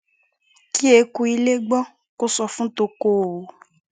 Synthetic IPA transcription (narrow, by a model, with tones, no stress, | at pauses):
ki˦e˨ku˧i˧le˦ɡ͡bɔ˦ | ko˦sɔ˧fũ˦t̪o˧ko˦˨o˨˦